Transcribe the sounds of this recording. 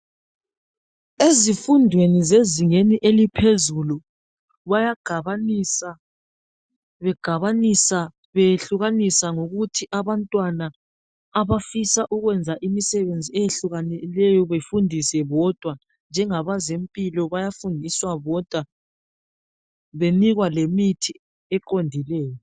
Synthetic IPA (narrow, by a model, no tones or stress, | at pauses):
ezifundʱwenizeziŋeniʔelipʰezulu | βajaɡ̥ | βɛɡ̥ʱaβanisa | βejɬuɣanisaŋoɣutʰiʔaβantʼwanaː | βafisaʔuɣwɛnd͡zʱaʔimisɛβend͡zʱiɛjeɬuɣanɛlɛjɔβefundʱisɛβɔd̥ʱwa | nd͡ʒʱɛŋaβazempʼilɔβajafundʱiswaβɔd̥ʱwa | βeniɣwalemitʰi | ɛǃondʱilɛːjɔ